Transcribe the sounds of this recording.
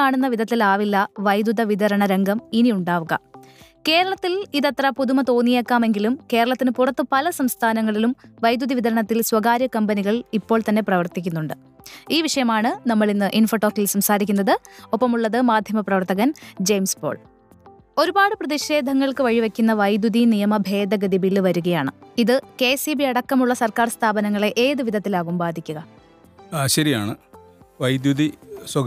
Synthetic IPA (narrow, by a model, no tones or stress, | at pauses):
aːɳunːɐʋid̪ʱɐt̪ːilaːʋilːɐʋɐjd̪uðɐʋid̪ɐɾɐɳɐɾe̞ŋɡɐminiuɳɖaːʋuɣɐ̰ke̞ːɾɐɭɐt̪ːiliðɐt̪rɐpuðumɐt̪o̞ːnːijekːaːme̞ŋɡilumke̞ːɾɐɭɐt̪ːinɨpurɐt̪ːɨpɐlɐsɐmst̪ʰaːnɐŋːɐɭilumʋɐjd̪uðɐʋiðɐɾɐɳɐt̪ːilswɐɡaːɾjɐkɐmbɐniɣɐɭipːo̞ːɭt̪ɐnːe̞prɐʋɐrt̪ikʲːunːuɳɖɨ | iːʋiʂɐjɐmaːɳɨnɐmːɐɭinːɨʔinfɐʈo̞ːkːilsɐmsaːɾikʲːunːɐðɨo̞pːɐmuɭːɐðɨmaːd̪ʱjɐmɐprɐʋɐrt̪ɐɣɐnd͡ʑejmsbo̞̰ːɭ | o̞ɾubaːɽɨprɐðiɕe̞ːd̪ʱɐŋːɐɭkɨʋɐɻiʋɐkʲːunːɐʋɐjd̪jud̪inijɐmɐbʱe̞ːd̪ɐɡɐd̪ibilʋɐɾuɣɐjaːɳɨiðɨke̞ːsibiɐɽɐkːɐmuɭːɐsɐrkaːrst̪ʰaːbɐnɐŋːɐɭe̞ʔeːðɨʋid̪ʱɐt̪ːilaːɣumbaːd̪ʱikʲːuɣɐ | ɕɐɾijaːɳɨ | ʋɐjd̪juðiswɐ